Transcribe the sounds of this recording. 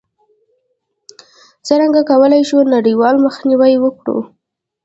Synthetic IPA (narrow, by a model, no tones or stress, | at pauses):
t͡səɾaŋɡakawəlajʃunaɽiwɑlməxniwajwəkɽṵ